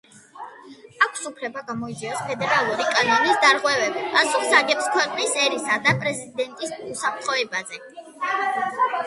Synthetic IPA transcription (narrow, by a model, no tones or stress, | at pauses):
akʷʰsupʰɾɛbaɡamɔid̪ziɔspʰɛd̪ɛɾalˠuɾikʼanɔnisd̪aɾʁwɛvɛbpʼasuχzaɡɛpskʰwɛqʼnisɛɾisad̪apʼɾɛzid̪ɛnt̪ʼisusap̚ʰɾt̪ʰχɔɛbazɛ